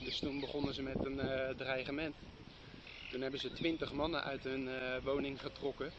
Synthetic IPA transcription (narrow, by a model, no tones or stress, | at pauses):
dɵstunbəχɔnəzəmɛtəndrajχəmɛnt | tunɦɛbəzətʋɪntəχmɑnənʔœ̰ɥtɦɵnʋownɪŋχətrɔkə